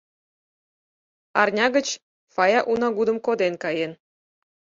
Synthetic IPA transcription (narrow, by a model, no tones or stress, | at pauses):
ɑ̰rnʲɑɣət͡ɕ | fɑjɑʔunɑɡud̪ə̆mkod̪enkɑjen